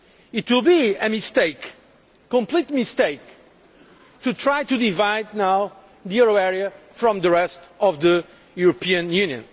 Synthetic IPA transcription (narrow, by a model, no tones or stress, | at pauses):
it̪wilˠbiɨmisteɪk | kɔ̃mplit̪̚mist̪eɪk̚ | tut̪ʰɹajtud̪ivaɪd̪̚naʊ | ðijɛɹoɛɹiɨfɹɔ̃mðɨɹɛstɔvðə | juɾɨpʰiɨ̃njʉnjɨ̰̃n